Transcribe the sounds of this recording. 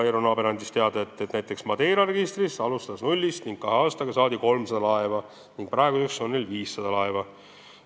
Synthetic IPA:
eɾonɑːbeɾɑnʲd̪ʲist̪e̞ɑd̪̥ɑet̪ːˑet̪næjt̪ˑːe̞ksmɑd̪̥e̞jːɾɑreɡist̪risɑlust̪ɑsnulʲːist̪niŋɡ̥̚kɑɦeɑːst̪ɑɡ̥ɑsɑːd̪iko̞lmsɑd̪ɑlɑevɑ | niŋɡ̥̚prɑeɡusekso̞nnːelviːsːɑd̪̥ɑlɑevɑ

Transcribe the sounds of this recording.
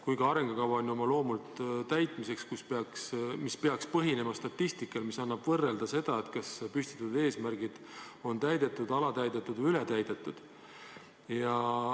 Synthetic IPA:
kujɡ̥ɑɑɾe̞ŋɡ̥ɑkɑvɑonʲjo̞mɑlo̞ːmult̪t̪æjt̪ˑmise̞kskuspeɑksmispeɑkspɤɦine̞mɑst̪ɑt̪ːist̪ikːˑɑlmisɑnːɑb̥vɤrːe̞ld̪ɑse̞d̪̥ɑet̪kɑspyst̪i̥t̪ːˑud̪e̞ːsmærɡ̥id̪̥ | o̞nt̪æjd̪̥e̞t̪ːˑud̪ɑlɑt̪æjd̪e̞t̪ːˑud̪ylet̪æjd̪̥e̞t̪ːˑud̪̥ | jɑ

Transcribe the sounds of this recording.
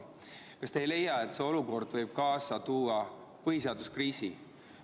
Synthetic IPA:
kɑst̪eejle̞jɑe̞t̪seo̞luko̞rd̪̥vɤjb̥̚kɑːsɑt̪uːɑ | pɤɦis̬e̞ɑd̪uskriːsi

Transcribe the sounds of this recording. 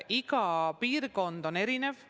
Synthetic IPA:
iɡɑpiːrko̞nd̪̥o̞ne̞ɾine̞v

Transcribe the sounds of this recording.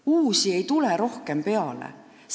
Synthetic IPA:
uːsie̞jt̪uleɾo̞hke̞mpe̞ɑlḛ | s

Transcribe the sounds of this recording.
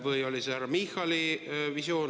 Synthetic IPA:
vɯjo̞lʲisehæɾːɑmixɑlivisjo̞ːn

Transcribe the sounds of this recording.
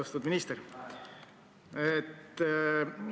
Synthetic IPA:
ɑst̪ud̪minist̪eɾ | et̪ː

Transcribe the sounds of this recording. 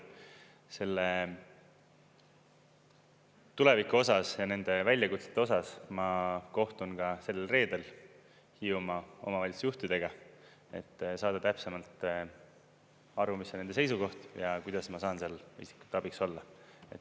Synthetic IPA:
se̞lːe | t̪ule̞vikːuo̞sɑsjɑne̞nd̪̥e̞vælʲjɑkut̪set̪ːeo̞sɑsmɑko̞ht̪unkɑse̞lːelre̞ːd̪̥e̞l | hiumɑo̞̰mɑvɑlʲisjuht̪id̪e̞ɡ̥ɑ | e̞t̪ːsɑːd̪̥ɑt̪æpsemɑlt̪ | ɑɾumisned̪e̞se̞jsuko̞ht̪jɑkujd̪̥ɑsmɑsɑːnseɑlḭsi̥kːu̥t̪ːˑɑb̥ikso̞lːɑe̞t̪ːˑ

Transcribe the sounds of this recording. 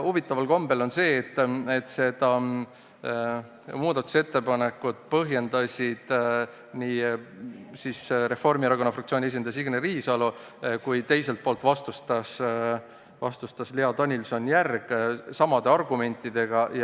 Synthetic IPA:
uvit̪ːˑɑvɑlko̞mbe̞lo̞nse̞ːt̪ːˑe̞t̪ːˑse̞d̪̥ɑ | muːd̪ɑt̪ːˑu̥se̞t̪ːe̞pɑne̞kːud̪̥̚pɤɦje̞nd̪̥ɑsʲid̪̥ | niː | sisɾe̞fo̞rmiɾɑɡo̞nɑfrɑkt̪sioːnʲie̞s̬ʲind̪̥ɑsiɡ̥neriːsɑlu | kujt̪e̞jse̞lt̪̚poːlt̪vɑst̪ust̪ɑs | vɑ̰st̪ust̪ɑsliɑd̪ɑnʲilso̞njærɡ̥sɑmɑd̪̥e̞ɑrɡume̞nʲt̪ːˑid̪e̞ɡ̥ɑj

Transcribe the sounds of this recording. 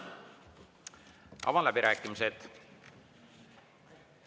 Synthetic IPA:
ɑ̰vɑlæbiɾæːkːˑimiset̪

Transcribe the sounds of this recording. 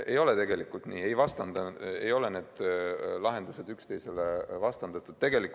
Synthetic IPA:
e̞jo̞let̪e̞ɡe̞likːult̪niːe̞jvɑst̪ɑnd̪ɑḛjo̞le̞ne̞ːd̪̥lɑɦe̞nd̪use̞d̪ykst̪e̞jse̞levɑst̪ɑnd̪̥ɑt̪ːˑud̪t̪ːe̞ɡelik

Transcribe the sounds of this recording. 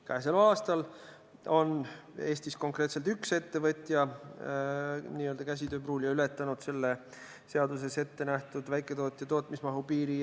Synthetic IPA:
kɑɦes̬elɑːst̪ɑl | o̞ne̞ːsʲt̪isko̞ŋkret̪se̞lt̪ykse̞t̪ːe̞vɤt̪ʲjɑ | niːøld̪ɑkæs̬ʲid̪øːpruːlʲjɑyle̞t̪ːˑɑnud̪̥se̞lːe | se̞ɑd̪use̞se̞t̪ːe̞næht̪ud̪̥væjkːˑe̞t̪o̞ːt̪ʲːˑjɑt̪o̞ːt̪ˑmismɑɦupiːɾi

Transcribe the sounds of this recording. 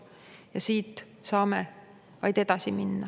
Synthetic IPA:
jɑsiːt̪ːˑ | sɑːme | vɑjd̪̥e̞d̪ɑsiminːɑ

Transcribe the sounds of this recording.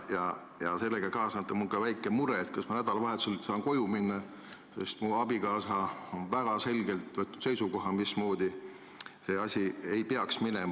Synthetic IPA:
jɑ | jɑ̰se̞lːeɡ̥ɑkɑːsɑɑt̪ːˑɑmulkɑvæjkːˑemuɾet̪̚kɑsmɑnæd̪̥ɑlɑvɑɦet̪sulsɑːnko̞juminːɑ | se̞̰st̪muɑbikɑːsɑonvæɡ̥ɑse̞lʲɡe̞lt̪vɤt̪nud̪se̞jsuko̞ɦɑmismo̞ːd̪i | se̞ːɑsʲie̞jpe̞ɑksminɛmɑ

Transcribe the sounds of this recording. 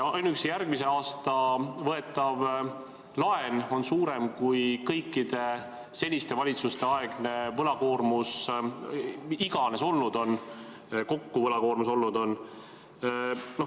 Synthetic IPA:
ɑjnuyksjærɡ̥mise̞ɑːst̪ɑvɤe̞t̪ːˑɑv | lɑe̞no̞nsuːɾe̞mkujkɤ̞jkˑːid̪̥e̞ | se̞lʲːist̪e̞vɑlʲit̪sust̪e̞ɑe̞ɡ̥ne̞vɤlɑko̞ːrmus | iɡ̥ɑne̞so̞lnud̪̥o̞n | ko̞kːuvɤlɑko̞ːɾmuso̞lːud̪o̞n | no

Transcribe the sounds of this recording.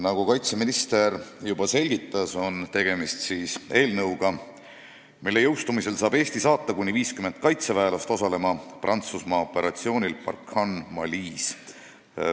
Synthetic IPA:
nɑɡ̥ukɑjt̪seminist̪e̞rjub̥ɑse̞lʲɡ̥it̪ˑːɑso̞nt̪e̞ɡ̥e̞mist̪siːse̞ːlnɤwɡ̥ɑ | milːe̞jɤwst̪umise̞lsɑːb̥e̞ːst̪isɑːt̪ːɑkunʲːiviːskyme̞nt̪̚kɑjt̪sevæelɑst̪o̞sɑle̞mɑprʔɑnt̪susmɑo̞pːˑe̞ɾɑt̪sio̞ːnʲilpɑ̰rkhɑnmɑlʲiːs

